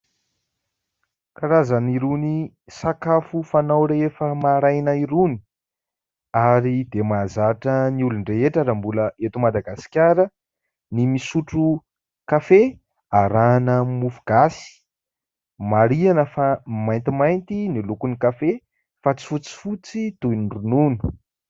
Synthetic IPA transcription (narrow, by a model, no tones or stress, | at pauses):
kaɾazaniɾuni | sakafufanawɾefəmaɾajnaiɾuni̥ | aɾid̪emazaʈ͡ʂəniuluɳɖ͡ʐeeʈ͡ʂaɾambuləet̪umad̪aɡasi̥kʲaɾə | nimisuʈ͡ʂu | kafe | aɾanəmufuɡ̥asi̥ | maɾianəfamajnt̪imajnt̪inilukunikafe | fat͡si̥fut͡si̥fut͡sit̪uinrununu̥